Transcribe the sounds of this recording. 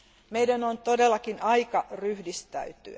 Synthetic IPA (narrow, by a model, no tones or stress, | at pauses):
meidænont̪odelːɑkinɑikɑryhdist̪æ̰yt̪y̰